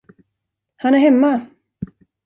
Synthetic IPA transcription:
hanæɾhɛmːa

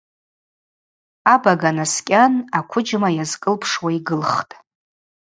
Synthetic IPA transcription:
abaɡanaskʲʼanakʷʰʊd͡ʒmajazkʼɨlpʰʂwaiɡɨlχtʼ

